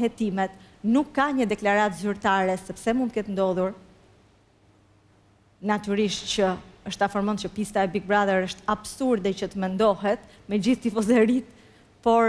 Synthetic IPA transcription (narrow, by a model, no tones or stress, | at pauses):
hɛt̪imɛt̪ | nukːaɲəd̪ɛklaɾat̪zyɾt̪aɾɛsɛpsɛmunt̪əkɛt̪nd̪ɔðuɾ | nat̪yɾiʃt̪t͡ɕəəʃt̪afɔɾmɔncəpist̪aɛbik̚bɾaðɛɾəʃt̪absuɾd̪ɛcət̪əmɛnd̪ɔɦɛt̪ | mɛd͡ʑiθt̪ifɔzɛɾit̪ | pɔɾ